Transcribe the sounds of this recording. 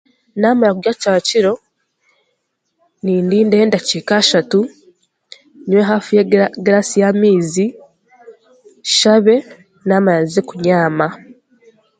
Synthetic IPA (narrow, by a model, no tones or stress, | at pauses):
naːmajakuɡact͡ʃaβaciɾo̞ | niːndiːnde̞ːndacikaʃatu | niweɦaːfijeɡɾasijamiːzi | ʃaβe̞ | naːmajazekuɲaːma